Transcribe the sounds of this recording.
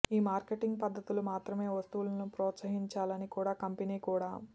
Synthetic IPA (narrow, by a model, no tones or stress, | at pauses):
iːmaːɾkeʈiŋɡpɐd̪ʱːɐt̪ulumaːt̪ɾɐme̞ːʋɐst̪uʋulɐnupɾɔːt̪sɐɦiɲt͡ʃaːlɐnikuːɽaːkɐmpiniːkuːɽaː